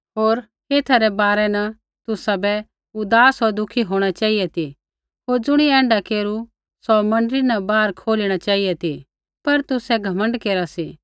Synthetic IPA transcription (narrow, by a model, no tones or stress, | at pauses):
ɦoːɾ | keːt̪ʰaɾɛbaːɾɛnɐ | t̪ʊsabɛ | ʊd̪aːsod̪ʊkʰiɦoːɽ̃at͡ʃaːijɛt̪i | ɦoːɾd͡zʊɽ̃iɛ̃ːɳɖakeːɾu | sɔmɐ̃ɳɖɾinɐbaːɾkʰoːliɽ̃at͡ʃaːiɛt̪i | pɐɾt̪ʊsɛɡʱɐmə̃ɳɖkeːɾasiː